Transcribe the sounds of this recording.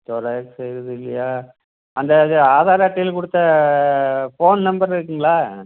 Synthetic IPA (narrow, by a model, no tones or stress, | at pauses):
t̪ɔɾɐjɐksɛjɾɐðɯɪlːɐjaː | ɐnd̪ɐðɯaːðaːɾɐɐʈːilkʊɽɯt̪ːɐ | foːnnɐmbɐɾɪɾɯkːɯŋɡɐɭaː